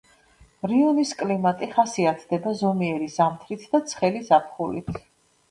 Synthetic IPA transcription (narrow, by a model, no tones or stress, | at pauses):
ɾiɔniskʼlimat̪ʼiχasiat̪ʰd̪ɛbazɔmiɛɾizamt̪ʰɾit̪ʰd̪at̪sʰχɛlizapʰχulḭt̪ʰ